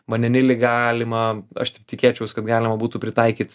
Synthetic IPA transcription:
mɐnʲɛnʲɪlʲɪɡɑːlʲɪmɐɐ̰ʃt̪ʲɪp̚t̪ʲɪkʲeːt͡ʃʲɛʊskɐt̪ɡɑːlʲɪmɐbuːt̪upʲɾʲɪt̪ɐɪkʲiːt̪

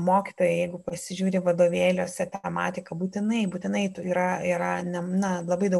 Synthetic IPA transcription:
moːkʲit̪oːjɛjɛɪɡʊpɐsʲɪʒʲuːɾʲɪʋɐd̪oːʋʲeːlʲoːsʲɛt̪ʲɛmɑ̰ːt̪ʲɪkɐbuːt̪ʲɪnɐɪbuːt̪ʲɪnɐɪtiːɾɐiːɾɐnʲɛnɐlˠɐbɐɪd̪ɐʊ

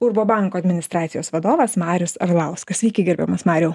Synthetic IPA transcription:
ʊɾboːbɑˑŋkoːɐd̪ʲmʲɪnʲɪst̪ɾɑːt̪sʲɪjoːsʋɐd̪oːʋɐsmɑːɾʲʊsɐ̰ɾlˠɑˑʊskɐssʲʋʲiːkʲɛɪɡʲɪɾʲbʲɛ̰mɐsmɑːɾʲɛʊ

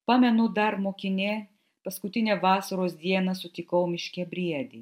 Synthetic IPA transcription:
pɑːmʲɛnʊd̪ɐɾmoːkʲɪnʲeː | pɐskʊt̪ʲɪnʲeːʋɑːsɐɾoːsd̪ʲiɛnɐsʊt̪ʲɪkɐʊmʲɪʃʲkʲɛbʲɾʲiɛd̪ʲɪː

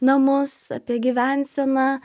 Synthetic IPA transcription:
nɐmʊsɐ̰pʲiɛɡʲɪʋʲænʲsʲɛnɑː

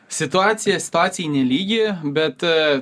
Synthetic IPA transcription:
sʲɪt̪ʊɑːt̪sʲɪjɛsʲɪ̥t̪ʊaːt̪sʲɪjɛnʲɛlʲiːɡʲɪbʲɛt̪

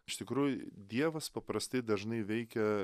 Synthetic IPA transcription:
ɪʃʲt̪ʲɪkɾuːjʊd̪ʲiɛʋɐspɐpɾɐsʲt̪ɐɪd̪ɐʒnɐɪʋʲɛɪkʲɛ

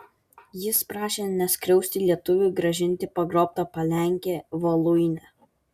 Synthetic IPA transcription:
jɪspɾɑːʃʲeːnʲɛsʲkɾʲɛʊsʲt̪ʲɪlʲiɛt̪ʊʋʲʊɡɾɐʒʲɪnʲt̪ʲɪpɐɡɾoːp̚t̪ɐpɐlʲæŋʲkʲeːʋɐlˠʊɪnʲɛ

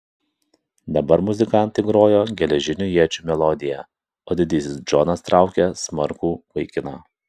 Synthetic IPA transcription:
d̪ɐbɐɾmʊzʲɪkɑˑnt̪ɐɪɡɾoːjoːɡʲɛlʲɛʒʲɪnʲujiɛt͡ʃʲuːmʲɛlˠɔd̪ʲɪjɛ | oːd̪ʲɪd̪ʲɪsʲɪsd͡ʒɔnɐst̪ɾɑˑʊkʲɛsmɐɾkuːʋɐɪkʲɪnɑ̰ː

